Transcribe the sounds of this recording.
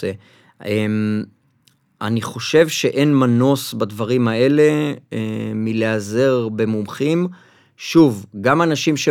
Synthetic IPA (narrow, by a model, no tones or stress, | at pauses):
e | em | ʔaniχo̞ʃe̞vʃe̞ʔe̞nmanosbad̪vaʁimae̞le̞emileaze̞ʁbe̞mumχim | ʃuvɡamanaʃimʃe